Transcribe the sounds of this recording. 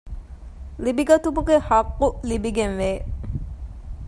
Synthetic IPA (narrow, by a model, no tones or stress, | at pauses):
libiɡɐt̪ubukehaqːulibiɡenʋe